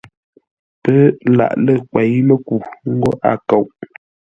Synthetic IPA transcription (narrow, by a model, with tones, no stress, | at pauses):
pə˦la̰˨ʔlə˦kwɛ˨˦jmə˦ku˨ŋ̩˦ɡo˦ʔa̰˨ko˨wʔ